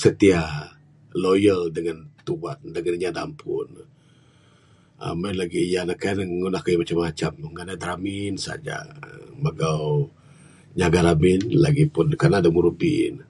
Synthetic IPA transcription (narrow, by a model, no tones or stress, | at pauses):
sət̪iah | lojəldəŋant̪ubat̪̚dəŋanɲadampʰʊ̰n | a̰manlaɡijanakanŋunahkajamat͡ʃamat͡ʃamŋanajd̪ɾaminsa̰d͡ʒa̰məɡaw | ɲaɡaɾamɪnlaɡipʊnkanadəmuɾubḭn